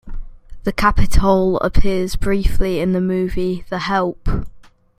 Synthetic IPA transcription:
ðəkʰapɪtʰələ̰pʰɪəzbɹiˑflɪɪ̃nðəmʉːvɪðəhɛlˠp

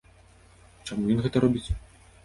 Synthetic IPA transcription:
t͡ʂamujɔnɣɛt̪ɐɾɔbʲit͡sʲ

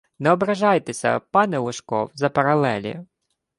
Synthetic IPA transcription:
nɛɔbɾɐʒɑjt̪esʲɐ̰pɑnɛlˠʊʃkɔ̰wzɐpɐɾɐlˠɛlʲḭ

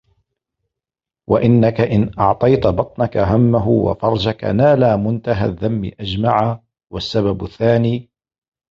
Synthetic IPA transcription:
wʔaʔɪnːakaʔɪnʔɑʕt̪ˤɑjt̪bɑt̪ˤnakaɦamːaɦʊwa̰fɑɾˤd͡ʒaka̰naːlaːmʊnt̪aɦa̰ðːamːɪ̰ʔad͡ʒmaʕa | wasːababʊθːaːniː

